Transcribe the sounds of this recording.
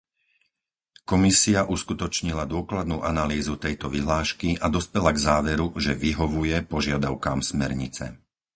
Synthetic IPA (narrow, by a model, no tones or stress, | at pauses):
kɔmisiaʔuskut̪ɔt͡ʃɲilad̪ʊɔklad̪nuːʔanaliːzut̪ɛjt̪ɔʋiɦlaːʃkiʔad̪ɔspɛlaɡzaːʋɛɾuʒɛʋiɦɔʋujɛpɔʒɪad̪aʊkaːmsmɛ̰ɾɲḭt͡sɛ̰